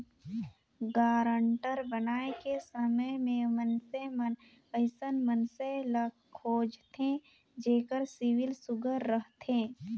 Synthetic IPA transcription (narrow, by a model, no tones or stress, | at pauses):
ɡaːɾə̃ɳʈəɾbənaːekesəməmẽmənsemən | əɪsənmənselə | kʰːoːd͡ʒt̪ʰẽ | d͡ʒeːkəɾsɪʋɪlsʊɡʱəɾːəɦt̪ʰẽː